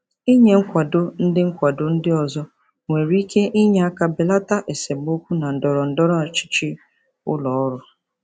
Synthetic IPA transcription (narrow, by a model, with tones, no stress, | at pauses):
i˦ɲe˨ŋ̩˦kʷa˨dʊ˦n̩˦dɪ˦ŋ̩˦kʷa˨dʊ˦n̩˦dɪ˦ɔ˨zɔ˦ | ŋʷe˨ɾi˦kʰe˦ʔi˦ɲe˦a˦ka˦be˨la˦ta˦ʔe˨se˨m˦o˦kʷu˦na˨n̩˨dɔ˨ɾɔ˨n̩˨dɔ˦ɾɔ˦˨t͡ʃɪ̥˦t͡ʃɪ˦ | ʊ̰˦lɔ˨ɔ˦ɾʊ˦